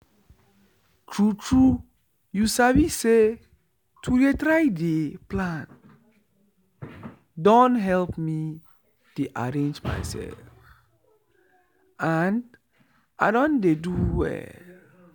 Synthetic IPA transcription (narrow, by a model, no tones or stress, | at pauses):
tʰɹutʰɹu | jusabise | tʰujetɾaɪdeplãn | dɔ̃ntɦɛlpmi | deʔa̰ɹẽnd͡ʒma̰jsɛ̰lf | ãn | ʔaɪdɔ̃ndeduwɛ̰